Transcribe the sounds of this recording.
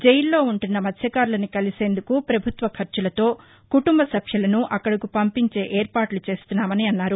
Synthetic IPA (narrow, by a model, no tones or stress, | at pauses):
d͡ʒɛjilːo̞ːuɳʈunːɐmɐt̪ʰjɐkaːɾlɐnikɐlise̞ːnd̪ukupɾɐbʱut̪ʋɐkʰɐɾt͡ʃulɐt̪o̞ː | kuʈumbɐsɐpʰjɐlɐnuʔɐkːɐɽɐkupɐmpiɲt͡ʃe̞ːʔeːɾpaːʈlut͡ʃe̞ːst̪unːaːmɐniɐnːaːɾu